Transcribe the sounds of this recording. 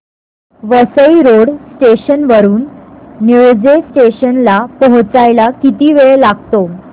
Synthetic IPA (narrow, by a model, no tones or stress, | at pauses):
ʋəsəiɾoɽsʈeɕənʋəɾuːnːud͡zesʈeɕənlapɔɦt͡sajlakit̪iːʋeɭelaɡt̪o